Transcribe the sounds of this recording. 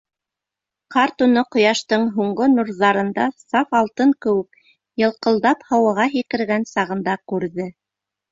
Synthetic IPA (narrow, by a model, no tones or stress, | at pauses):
qɑɾt̪unɤqŏjɑʃt̪ɤɴɦuɴɢonuɾðɑɾɤ̆nd̪ɑsɑfɑlˠt̪ɤŋkɘ̆wɘk̚ | jɤ̆lˠqɤ̆lˠd̪ɑphɑwɤʁɑɦikɘ̆ɾɡænsɑʁɤ̆nd̪ɑkʉɾðɘ